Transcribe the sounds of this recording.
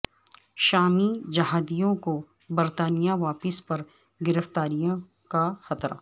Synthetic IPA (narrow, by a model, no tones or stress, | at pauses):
ʃaːmid͡ʒɐɦaːd̪ijõko | bɐɾt̪aːnijaʋaːpɪspɐɾ | ɡɪɾəft̪aːɾijõ | kaxɐt̪ɾa̰ː